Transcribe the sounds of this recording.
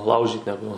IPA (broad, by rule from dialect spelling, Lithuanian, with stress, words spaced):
ˈlˠɐʊʒʲiːt nʲɛˈɡʊ